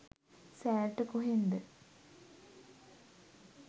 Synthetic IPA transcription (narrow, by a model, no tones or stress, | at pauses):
sæːɾʈəkoɦend̪ə